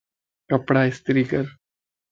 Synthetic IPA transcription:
əpɽaɪst̪ɾiːkəɾ

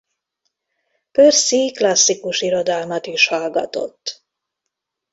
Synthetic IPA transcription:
pørsiklɒsːikuʃiɾod̪ɒlmɒt̪iʃhɒlɡɒt̪o̞̰t̪ː

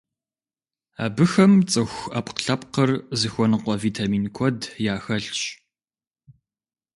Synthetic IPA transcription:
a̰ːbɨxɐmt͡sʼɨxʷɐpqɬɐpqərzɨxʷɔnɨqʷɔviːtʰaːmiːnkʷʰɔdjaːxɐɬɕʼ

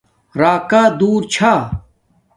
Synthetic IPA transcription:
ɾaːkaːd̪uːɾt͡ɕʰaː

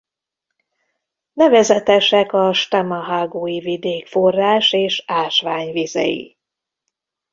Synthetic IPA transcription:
nɛvɛzɛt̪ɛʃɛkɒʃt̪amɒɦaɡoːjivid̪eːkfo̞rːaːʃeːʃaːlʃʋaːɲvizɛ̰jḭ

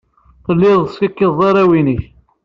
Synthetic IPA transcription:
θəlːɪðˤskəkːiðˤɑɾˤæwiniç

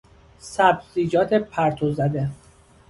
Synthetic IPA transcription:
sæbziːd͡ʒɒːt̪ʰepʰæɾt̪ʰozæd̪e

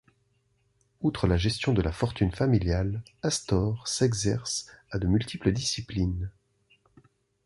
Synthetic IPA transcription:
ut̪χəlaʒɛst̪jɔ̃d̪əlafɔʁt̪ynfamiljalast̪ɔʁsɛɡzɛʁsad̪əmylt̪ʰipləd̪isiplin

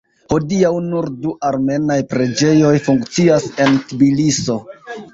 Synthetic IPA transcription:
ho̞diawnuɾduʔaɾme̞najpɾe̞d͡ʒe̞jo̞jfuŋkt͡siase̞ntibiliso̞

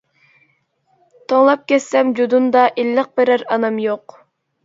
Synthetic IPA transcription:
t̪ʰoŋlˠɑp̚kʲʰɛsːɛmd͡ʒud̪und̪ɑʔilːɪq̚bɪɾæɾɑnɑmjoq

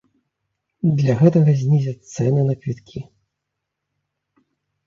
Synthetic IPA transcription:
d̪lʲaɣɛt̪ɐɣɐzʲnʲizʲɐt̪sɛnɨnapʲit̪kʲʰi

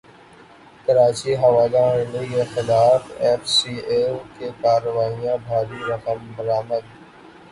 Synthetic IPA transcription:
kəɾaːt͡ɕiːɦɐʋaːɡ̪ãːɪ̃nejexɪlaːfeːfsiːeːlkeːkaːɾəʋaːijãːbʱaːɾiːɾɐkəmbɐɾaːməd̪̚

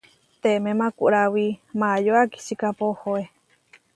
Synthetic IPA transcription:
t̪emẽmãkuʔɾawimajoaki̥sikapohoe

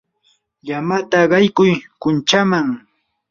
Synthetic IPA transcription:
jamat̪aɢɑjkʊjkʊnt͡ʃamaŋ

